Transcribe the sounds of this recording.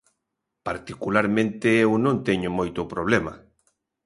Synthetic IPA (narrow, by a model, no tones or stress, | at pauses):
paɾt̪ikulaɾmẽnt̪eewnõnt̪eɲʊmojt̪ʊpɾoβ̞lema̰